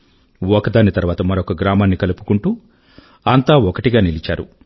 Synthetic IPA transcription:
ɔkɐd̪aːnit̪ɐɾʋaːt̪ɐmɐɾɔkɐɡɾaːmaːnːikɐlupu̥kuɳʈuː | ɐnt̪aːɔkɐʈiɡaːnilit͡ʃa̰ːɾṵ

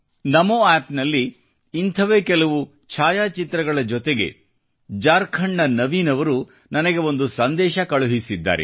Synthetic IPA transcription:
nɐmoaːpnɐlːiː | nt̪ʰɐʋeːkɛlɐʋu | t͡ʃʰaːjaːt͡ʃit̪ɾɐɡɐɭɐd͡ʒɔt̪eɡe̞̰ | d͡ʒaːɾkʰɐɳːɐnɐʋiːnɐʋɐɾu | nɐnɐɡe̞o̞nd̪usɐnd̪ɛːʃɐkɐɭuɦisid̪ːa̰ːɾḛ

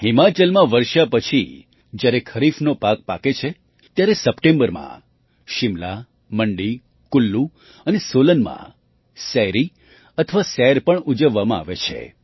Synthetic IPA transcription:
ɦimat͡ʃəlmãʋəɾʃapət͡ʃʰi | d͡ʒjaɾekʰəɾifnopak̚pa̰ket͡ʃʰe | t̪jaɾesəpʈẽmbəɾmã̰ | ʃɪmla̰ | məɳɖi | kʊlːu | ənesolənmã̰ | sɛɦɾi | ət̪ʰəʋasɛɦɾpəɳud͡ʒəʋːamãa̰ʋḛt͡ʃʰḛ

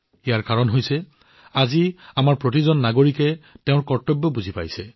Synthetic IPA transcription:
ijaɹkaɹɔnɦojsɛ | aziamaɹpɹotizɔnːaɡoɹikɛteʊ̃ɹkɔɹtɔbjɔbuzʱipa̰jsɛ

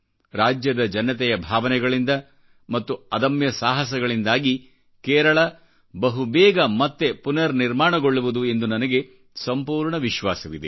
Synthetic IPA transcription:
ɾaːd͡ʒjɐd̪ɐd͡ʒɐnːɐt̪̬ɛjɐbʱaːʋɐnɛɡɐɭind̪ɐ | mɐt̪ːuɐd̪ɐmjɐsaːɦɐsɐɡɐɭind̪aːɡi | kɛːɾɐɭɐ | bɐɦubɛːɡɐmɐt̪ːe̞punɐɾniɾmaːɳɐɡo̞ɭːuʋud̪ue̞nd̪unɐnɐɡe̞ | sɐmpuːɾɳɐʋiʃʋaːsɐʋid̪e

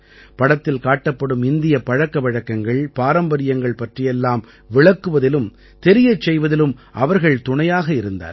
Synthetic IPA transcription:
pɐɽɐt̪ːɪlkaːʈːɐpːɐɽɯmɪnd̪ɪjɐpɐɻɐkːɐʋɐɻɐkːɐŋɡɐɭpaːɾɐmbɐɾɪjɐŋɡɐɭpɐʈrɪjɛlːaːm | ʋɪɭɐkːɯʋɐðɪlɯm | t̪ɛɾɪjɐt͡ʃːɛjʋɐðɪlɯmʔɐʋɐɾɣɐɭt̪ʊɳɐjaːɣɐɪɾɯnd̪a̰ːɾ

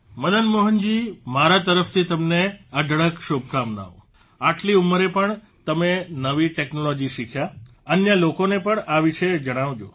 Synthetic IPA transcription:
məd̪ənmoɦənd͡ʒimaɾat̪əɾəft̪ʰit̪əmneəɖʱɭəkʃobkamna̰ʋo | aʈliumːəɾepəɳ | t̪əmenəʋiʈeknolɔd͡ʒiʃikʰja | ənjəlokonepəɳaʋiʃed͡ʒəɽ̃aʋd͡ʒo̰

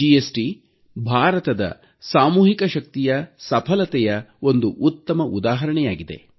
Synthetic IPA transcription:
iesʈi | bʱaːɾɐt̪ɐd̪ɐ̰ | saːmuːɦikɐʃɐk̚t̪ijɐsɐpʰɐlɐt̪ɛjɐo̞nd̪uʔut̪ːɐmɐʔud̪aːɦɐɾɐɳɛjaːɡid̪e̞̰

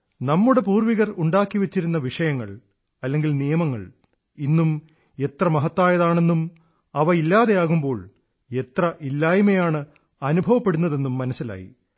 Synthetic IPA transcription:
nɐmːuɽe̞puːrʋiɣɐruɳɖaːkːiʋɐt͡ɕːiɾunːɐʋiʂɐjɐŋːɐ̰ɭ | ɐlːe̞ŋɡilnijɐmɐŋːɐ̰ɭ | inːum | e̞t̪rɐmɐɦɐt̪ːaːjɐðaːɳe̞nːum | ɐʋɐilːaːðe̞jaːɣumbo̞ːɭ | e̞t̪rɐʔilːaːjume̞jaːɳɨ | ɐnubʱɐʋɐpːe̞ɽunːɐðe̞nːumːɐnɐsːila̰ːjḭ

